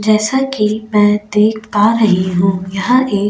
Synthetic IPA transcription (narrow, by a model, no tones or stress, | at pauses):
d͡ʒɛːsakimɛ̃ːd̪eːkʰpaːɾɐɦiɦũːjɐɦãʔeː